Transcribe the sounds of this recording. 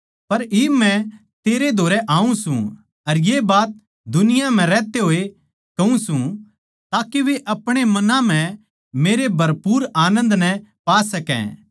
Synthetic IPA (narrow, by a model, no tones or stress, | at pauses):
pɐɾɪbmɛ̃ | t̪eːɾed̪ʱoːɾɛʔaːũsṵ̃ | ɐɾjebaːt̪̚ | d̪ʊnɪjam̤ɛ̃ɾɛːt̪eɦoːe | kɐũsũ | t̪aːkeʋeʔɐpɽ̃emɐnãm̤ɛ̃ | meːɾebʱɐɾpuːɾaːnə̃nd̪nɛpaːsɐkɛ̰̃ː